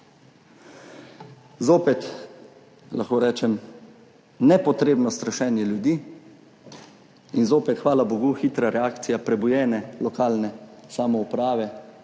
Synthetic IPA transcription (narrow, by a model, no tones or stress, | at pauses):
zoːpɛt̪ | lʔaxkoːɾɛːt͡ʃɛm | nɛpɔt̪ɾeːbnɔst̪ɾaʃɛːnjɛljud̪iː | inzoːpɛt̪xʋaːlaboɡuxiːt̪ɾaɾɛaːkt̪sijapɾɛbujɛːnɛlɔkaːlnɛsamɔupɾaːʋɛ